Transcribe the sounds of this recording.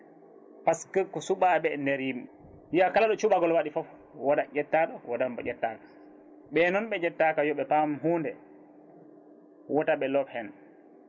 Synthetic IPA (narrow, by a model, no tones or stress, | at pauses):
paskəkːɔsuɓaɓɛndɛɾjimi | ijakalaɗɔt͡ʃuɓaɡɔlwaɗifɔf | wadad͡ʒɛtːaɗɔwadambɔ̰d͡ʒɛtːakḁ | ɓɛnɔnɓɛd͡ʒɛtːakajɔɓɛpamɦundɛ | wɔtaɓɛlɔbhɛn